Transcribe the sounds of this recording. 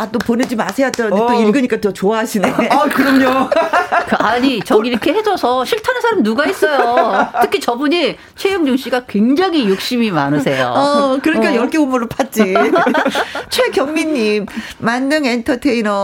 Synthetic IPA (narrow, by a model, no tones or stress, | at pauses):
at͈oponed͡ʑimasʰejat͈adet͈oimɡɯɲik͈atʌt͡ɕoaɦaɕʰinekɯɾʌmɲo | kɯaɲit͡ɕʌɡiɾʌkʰe̞hed͡ʑʌsʰʌɕʰiɭtʰanensʰaɾamnuɡais͈ʌjotʰɯkʰit͡ɕʌbuɲi | t͡ɕʰwejoŋd͡ʑuŋɕ͈iɡakweŋd͡ʑaŋijok̚ɕ͈imima̰nɯsʰe̞jo̰ʌkɯɾʌɲik͈ajʌɭk͈ʰeomɯɾɯɭpʰat̚t͡ɕ͈i | t͡ɕʰwekjʌŋmiɲːimː | anːɯŋentʰʌtʰeinʌ